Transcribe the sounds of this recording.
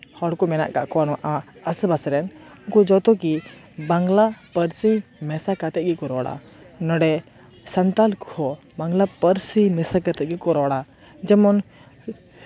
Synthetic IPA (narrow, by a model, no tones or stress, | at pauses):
hɔɽkɔmɛna̰ʔkaʔkɔwanɔ̃ʔaəsəbasɾɛnɔkɔd͡ʒɔt̪ɔki | baŋɡlapəɾsimɛsakat̪ɛɡikɔɾɔɽa̰ | nɔɽɛ | sant̪alkʰɔ | baŋɡlapəɾsimɛsakat̪ɛt̪̚ɡikɔɾɔɽa | d͡ʒɛmɔn